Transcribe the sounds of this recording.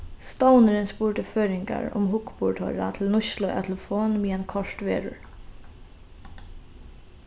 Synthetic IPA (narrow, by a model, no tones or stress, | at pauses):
st̪awnəɾɪnspuːɹʈəføːɾɪŋka̰ɹʊ̰mɦʊkbʊɹʈʰɔ̰ɹa̰t̪ʰɪlnʊʃlʊʔa̰t̪ʰɛləfoːnmiːɛnkʰɔʂt̪ʋeːɹʊ̰ɹ